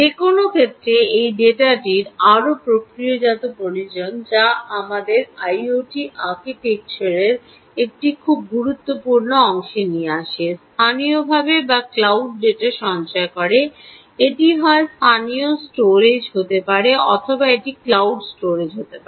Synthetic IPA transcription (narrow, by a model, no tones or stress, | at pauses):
ekonokʰet̪ːɾeejɖeʈaʈiɾaɾopɾokɾiod͡ʑat̪opolid͡ʑond͡ʑaamad̪eɾajoʈiʔaɾkiʈek̚t͡ɕoɾeɾ | ek̚ʈikʰub̚ɡuɾut̪ːopuɾnoɔŋʃenieaʃest̪ʰaniobʱabebaklawɖ̚ːeʈaʃɔnt͡ɕɔekɔɾe | eʈiɦɔest̪ʰaniosʈoɾed͡ʑɦot̪epaɾeɔ̰t̪ʰobaeʈiklawɖsʈoɾed͡ʑɦot̪epaɾɾ